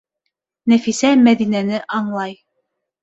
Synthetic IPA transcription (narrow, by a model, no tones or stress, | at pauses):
næfisæmæðinænɘʔɑɴlˠɑj